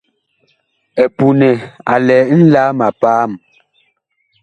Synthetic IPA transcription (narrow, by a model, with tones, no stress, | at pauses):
ɛ˨pu˨nɛ˨a̰˨lɛː˨˦n̩˦laː˦ma˨paː˦m